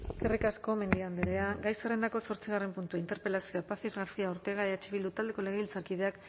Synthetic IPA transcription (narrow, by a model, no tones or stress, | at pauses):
ɡerikasko̞me̞nd̪iand̪eɾe̞aɡajsere̞nd̪ako̞so̞ɾt͡siɣ̞are̞mpunt̪uaint̪e̞ɾpe̞lasioapafizɣaɾfiaoɾt̪e̞ɣ̞aeðat͡ʃiβild̪ut̪ald̪e̞ko̞leɣeβilt͡saɾkiðe̞ak